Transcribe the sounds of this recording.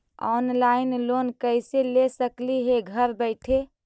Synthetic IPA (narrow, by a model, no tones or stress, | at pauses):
ɔ̰nlaɪnlonkəɪselesəkliɦeɡʱəɾbəɪʈʰe